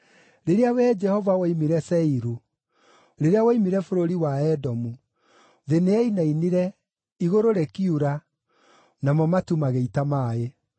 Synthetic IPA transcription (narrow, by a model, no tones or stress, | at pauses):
ɾeɾeawɛd͡ʒɛhɔvawaimiɾɛsɛiɾu | ɾeɾeawaimiɾɛfoɾoɾiwaɛdɔmu | ðeneɛinainiɾɛ | iɣoɾoɾɛkiuɾa | namɔmatumaɣeitamaːe